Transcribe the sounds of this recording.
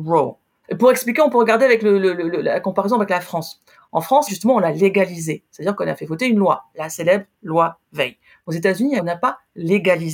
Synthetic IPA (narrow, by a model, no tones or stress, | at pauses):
ʁo | puʁɛksplikʲeɔ̃pøʁəɡaʁd̪eavɛklələlələllakɔ̃paʁezɔ̃avɛklafχɑ̃s | ɑ̰̃fχɑ̃sʒyst̪əmɑ̃ɔ̃laleɡalizesɛt̪ad̪iʁkɔ̃na̰fɛvɔt̪eynlwalaselɛbʁlwa | vɛj | ozet̪azyniɔ̃napaleɡaliz